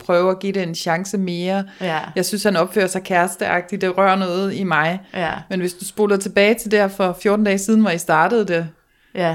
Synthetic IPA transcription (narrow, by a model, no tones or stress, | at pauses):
pʰʁœːʊæɡ̥iɾ̥eenɕɑ̈ŋsəme̝ːɐjɑ̈ɪsynshænɒ̽b̥fø̰ːɐsɑ̈ɪkʰæɐsd̥əʔɑ̈ɡ̥̚d̥i̥d̥e̝ʁɶɐ̰nɔ̽ːð̞̩ˠimɑ̈ɪmenʋe̝sd̥usb̥o̝ːlð̩ˠt͡sʰe̝b̥ɛːɪt͡sʰe̝ld̥æɐ̰fɒ̽fjo̝ːd̥n̩d̥ɛːsiːð̞ˠn̩ʋɒjisd̥ɑ̈ːd̥əð̞̩ˠd̥e